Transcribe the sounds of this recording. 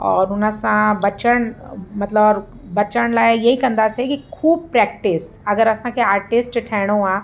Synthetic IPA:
ɔːɾʊnasãbɐt͡ʃəɽ̃mɐt̪ləbː | ɐt͡ʃəɳ̃laːjjɐɦikɐ̃nd̪aːsekikʰuːb̚pɾɛːkʈɪsɐɡəɾɐsãkʰeaːɾʈɪsʈʈʰɛːɽ̃õãː

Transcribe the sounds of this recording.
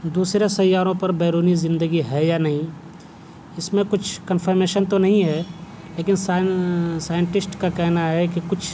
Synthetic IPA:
d̪uːsɾesɐjaːɾõpɐɾbɛːɾuːnizɪ̃nd̪əɡiɦɛjanɐɦĩ | ɪsmẽkʊt͡ʃʰkənpʰəɾmeːʃənt̪onɐɦĩɦɛ | leːkɪnsasaːjə̃ɳʈɪsʈkakɛɦnaɦɛkikʊt͡ʃʰ

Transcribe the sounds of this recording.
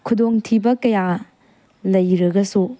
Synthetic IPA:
kʰudoŋtʰibɐkɐja | lɐjɾɐɡɐsu

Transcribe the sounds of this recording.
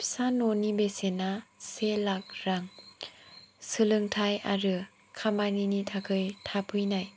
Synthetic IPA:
pʰsanonibesenaselak̚ɾaŋ | sɯlɯŋtʰaja̰ɾɯ | kʰamaninitʰakʰɯjtʰapʰɯjnaj

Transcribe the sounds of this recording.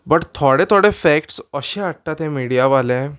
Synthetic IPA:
bəʈt̪ʰoɽet̪ʰoɽefɛkʈsəɕẽaʈ̚ʈ̪at̪ẽmiɽijaʋalẽ

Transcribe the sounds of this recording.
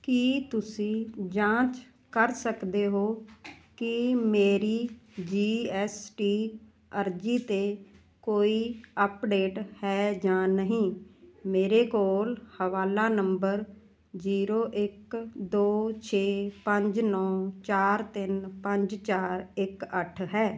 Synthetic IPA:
kiːt̪ʊsĩːd͡ʒãːt͡ʃ | kəɾsəkd̪eːɦoːkɪmeːɾiːd͡ʒiːɛːsʈiː | əɾd͡ʒiːt̪eː | koːiːəpɖeːʈhɛːd͡ʒãːnəɦĩːmeːɾeːkoːlhəʋaːlaːnəmbəɾ | ziːɾoːʔɪkd̪oːt͡ʃʰeːpəɲd͡ʒnɔːt͡ʃaːɾt̪ɪnpəɲd͡ʒt͡ʃaːɾɪkəʈʰɦɛː

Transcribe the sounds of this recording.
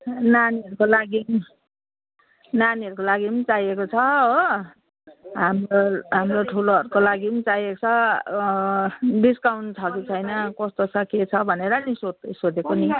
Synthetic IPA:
naniɦʌɾukolaɡi | naniɦʌɾukolaɡit͡sajekot͡sʰʌo | ɦamroɦamroʈʰuloɦʌɾukolaɡint͡sajet͡sʰʌ | biskawnt͡sʰʌkit͡sʰʌjnʌkʌst̪ot͡sʰʌket͡sʰʌbʱʌneɾʌnisod̪sod̪ekoni

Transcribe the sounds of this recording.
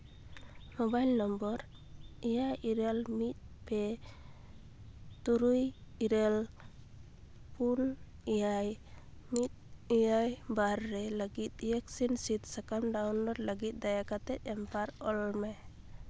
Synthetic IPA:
mɔbajlnɔmbɔɾ | ɛjaiɾɛlmit̪̚pɛ | t̪uɾujiɾɛl | pun | ijaj | mit̪̚ijajbaɾːɛləɡit̪̚jɛksinsit̪̚sakamɖawnɔɾləɡit̪̚d̪ajakat̪ɛt̪̚ɛmpaɾɔlmaj

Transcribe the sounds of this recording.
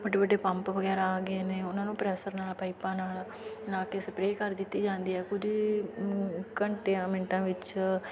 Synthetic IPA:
bəɖeːbəɖːeːpəmpʋəɡɛːɾaaːɡeːneːʊnãːnũːpɾɛːsəɾnaːlpaːipãːnaːl | laːkeːsəpɾeːkəɾd̪ɪt̪ːiːd͡ʒãːnd̪iːɦɛːkʊd͡ʒi | kəɳʈeãːmɪɳʈãːʋɪt͡ʃ

